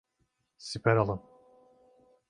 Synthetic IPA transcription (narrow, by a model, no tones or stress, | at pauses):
sipʰæɾalˠɯm